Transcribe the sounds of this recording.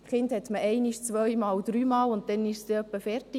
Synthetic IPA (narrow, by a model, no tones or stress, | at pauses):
χɪndhɛt̪məɛɪniʃt͡sʋœjmɑːld̥̪ɾyːmɑːlʊnt̚dɛnɪʃsd̥̪ɛœpːəfɛɾtɪ